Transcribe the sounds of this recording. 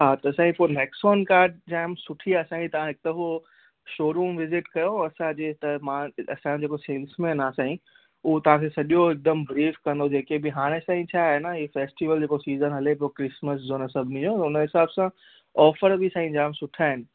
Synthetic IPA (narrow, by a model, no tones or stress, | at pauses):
ɦaːt̪ɐɐsãːipoːemeːksoːnkaːɾɖ̚d͡ʑaːmsʊʈʰiaɐsãːit̪ɐʋ̤ãɦɪk̚t̪əɦo | ʃoːɾuːmʋɪzɪʈkɐjoɐsãd͡ʑeːt̪ɐmãɐ̰sãd͡ʑeːkoseːlsmẽnaːsãːĩ | ʊɦot̪ɐʋ̤ãkʰeːsɐɗijoɪk̚d̪əmbɾiːfkɐ̃nd̪od͡ʑeːkebɪɦaːɽ̃esãːĩt͡ɕʰaːɦenəɦifeːsʈiʋəld͡ʑeːkosiːzənɦɐlep̬ɪokɾɪsməszoːnəsɐbʱnĩd͡ʑot̪ʊnəɦɪsaːbsã | ɔːfəɾbɪsãːĩd͡ʑaːmsʊʈʰaːɦɪnɪ̆